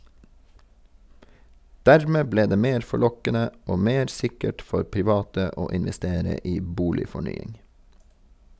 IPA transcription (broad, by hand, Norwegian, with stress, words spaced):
ˈdæɹmeː ˈbleː ˈdeː ˈmeːɾ fɔˈɭɔkənə ˈoː ˈmeːɾ ˈsɪkəʈ ˈfɔɾ pɪˈʋɑːtə ˈoː ɪnʋɛˈsteːɾə ˈiː ˈbuːlɪfɔˌɳyːɪŋ